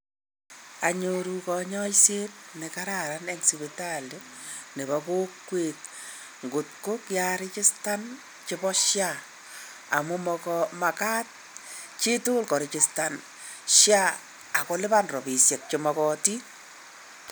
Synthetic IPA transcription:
a̰˨ɲoɾu˨kɔ˧ɲɔ˦jse˦tne˨ka˦ɾa˨ɾa˦nɛ˦ŋsi˨beta˦˨lo˦ne˨ba˨ko˦kːwek̚ | ŋɡʊ˨t̚ko˦kja˦ɾɪ˦t͡ʃɪ˦sta˦n | t͡ʃɪ˦bɔ˦ʃja˦ | a˨mʊ˦mɔ˧kɔma˨ka˦t̚ | t͡ʃi˦tʊ˦lkɔ˨ɾɪ˨t͡ʃɪ˨sta˨n | ʃja˦ | a˨ko˦lɪ˦ba˦nrɔ˨bi˨sjɛ˨k̚t͡ʃomɔ˨kɔti˦

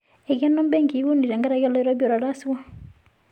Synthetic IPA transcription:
ɛ˨ɡɛ˦nɔ˦m˦bɛ˦ŋɡi˨˦wu˦ni˨ɾɛ˨ŋɡa˦ɾa˨jɔ˦la˦i˦ɾɔ˦bjɔ˨ɾa˨ɾa˦si˦wa˦

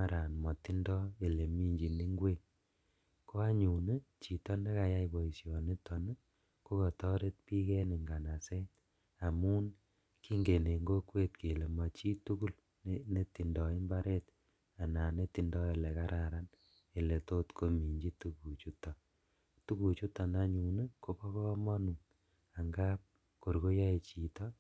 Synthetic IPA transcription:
a˦ɾa˨nmɔ˨ti˦ndɔ˦e˨le˨mi˦ɲd͡ʒi˨ni˦ŋɡwe˦˨ŋ | ko˦a˦ɲu˨ne˦t͡ʃi˨tɔ˦ne˦ka˨ja˦jbɔ˨i˨sjɔ˨ne˦tɔ˨n˦ | ko˦kɔ˨tɔ˦ɾe˦t̚pi˦kɛ˦ni˨ŋɡa˨na˨sɛ˦ | a˨mu˦n | ki˦ŋɡe˨ne˨ŋɡo˦kwe˦t̚ke˨le˨ma˨t͡ʃi˦tu˦ku˦l | ne˦ti˨ndɔ˨i˦mba˦ɾe˦t | a˨na˨ne˦ti˨ndɔ˦e˨lɛ˨ka˦ɾa˨ɾa˦n | e˨le˨to˦tkʰo˦mi˨ɲd͡ʒi˦tu˦ku˨t͡ʃu˦tɔ˨ | tu˦ku˨t͡ʃu˦tɔ˨na˦ɲu˨nɨ˦ko˦kɔ˦kɔ˦mɔ˦nu˨ | a˨ŋɡa˦p̚ | ko˨ɾko˦jɔ˦e˨t͡ʃi˨tɔ˦

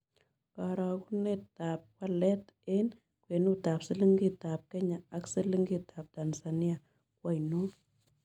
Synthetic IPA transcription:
ka˨ɾa˨ku˦ne˦ta˨p̚kwa˦lɛ˦te˦n | kwe˨nu˦ta˨psɪ˦li˦ŋɡi˦˨ta˨p̚kɛ˦ɲa˨a˦ksɨ˦li˦ŋɡitʰa˨p̚ta˨nsa˨ni˦a˨ | kwa˦˨jnu˦

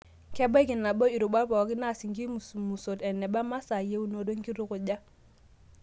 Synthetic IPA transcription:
kɛ˦ba˦ki˨nːa˨bo˦i˨ɾu˨ba˦pɔ˨ki˦na˦˨si˨ŋki˦m˨smu˨so˨tɛ˨nːɛ˨ba˦ma˦sa˨je˦u˦no˨do˦ŋki˦ɾu˦ku˨ɟa˦

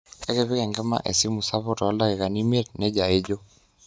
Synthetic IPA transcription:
e˦ke˦βɪ˦kɛ˨ŋɡɛ˦ma̰˦ʔḛ˨si˦mu˨sa˦βɔ˦tɔ˨a˦la˦ke˨ka˨ni˦me˦tne˦d͡ʒa˨e˦d͡ʒo˦

